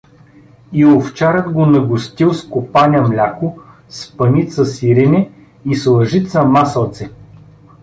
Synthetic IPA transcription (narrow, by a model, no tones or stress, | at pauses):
ioft͡ʃaɾəd̪ɡonɐɡʊst̪ilˠskopanʲɐmlʲako | spɐnit̪səsiɾɛnɛ | islˠɐʒit̪sɐmasəlˠt̪sɛ